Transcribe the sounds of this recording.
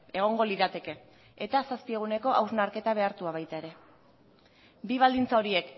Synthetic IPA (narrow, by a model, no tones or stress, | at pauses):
e̞ɣ̞o̞ŋɡo̞liðat̪e̞ke̞ | et̪asaspie̞ɣ̞une̞ko̞ʔawznaɾke̞t̪aβ̞e̞aɾt̪uaβ̞ajt̪aeɾe̞ | biβ̞ald̪int͡sao̞ɾie̞k